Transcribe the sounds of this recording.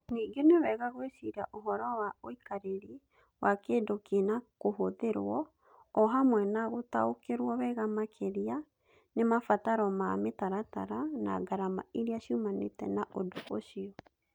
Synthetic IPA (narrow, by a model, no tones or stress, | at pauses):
niːɡenewɛɣaɣwesiɾa̰ʔoɦɔɾɔwaoikaɾeɾe | wakedokenakoɦoðeɾwɔ | ɔɦamwɛnaɣotaokeɾwɔwɛɣamakʰeɾia | nemafataɾɔmametaɾata̰ɾana̰ɡaɾama̰eɾiaʃumanḛtɛnaʔodoʔoʃiɔ